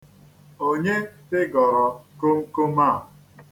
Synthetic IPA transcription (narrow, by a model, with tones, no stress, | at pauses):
o˦ɲe˦tɪ˦ɡɔ˨ɾɔ˨ko˦ŋ̩˦ko˦maː˦˨